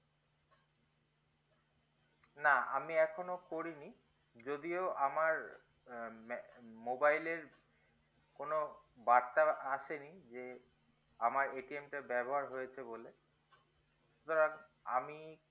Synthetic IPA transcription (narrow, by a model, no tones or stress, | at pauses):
naa̰miɛkʰonokoɾini | d͡ʑod̪ioʔamaɹ | mobajleɾ | konobaɾt̪aaʃenid͡ʑe | amaɹeʈiemʈabɛboɦaɹɦojet͡ɕʰebole | ʃut̪oɾaŋa̰mi